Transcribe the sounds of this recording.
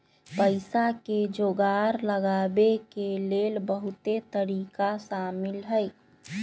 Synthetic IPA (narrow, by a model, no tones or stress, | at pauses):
pəɪsaked͡ʒoɡaɾləɡabekelelbəɦut̪et̪əɾikasamilɦəj